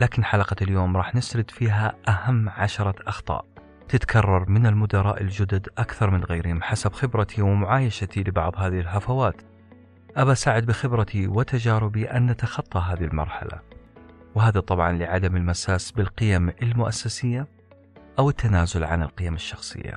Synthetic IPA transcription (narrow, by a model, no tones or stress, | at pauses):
laːkɪnħalɑqɑljoːmɾˤɑːħnɪsɾɪd̪fiːɦaʔahamːʕaʃɑɾˤɑʔɑxt̪ˤɑ̰ːʔ | t̪ɪt̪kʰɑrˤːɑɾˤmɪnɪlmʊd̪ɑɾˤɑːʔɪld͡ʒʊd̪ʊd̪ʔakθɑɾˤmɪnɣajɾɪhɪmħasabxɪbɾat̪ʰiwɪmʊʕaːjaʃat̪ilɪbɑ̰ʕðˤhaːðɪɪlɦafawaːt̪ | ʔabasaːʕɪd̪̚bɪxɪbɾat̪ʰiwɪt̪ad͡ʒaːɾɪbiʔanːat̪axɑt̪ˤːɑɦaːðɪlmɑ̰ɾˤħa̰la̰ | wɦaːðat̪ˤɑbʕɑnlɪʕad̪amɪlmasaːsbɪlqɪjamɪlmʊʔasːasɪjːa | ʔawɪt̪ːanaːzʊlʕa̰nɪ̰lqɪjamɪʃːɑxsˤɨ̰jːa̰